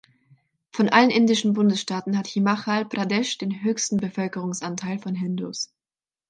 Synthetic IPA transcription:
fɔnʔalənʔɪndɪʃn̩bʊndəsʃtaːtn̩hathimaχalpʁadɛʃd̥eːnɦøːçstn̩bəfœlkəʁ̞ʊŋsʔantʰaɪlfɔnɦɪndus

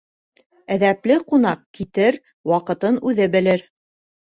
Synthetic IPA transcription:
æðæplɘqunɑq̚kit̪ɘɾ | wɑqɤ̆t̪ɤnʉðɘbɘ̆lɘɾ

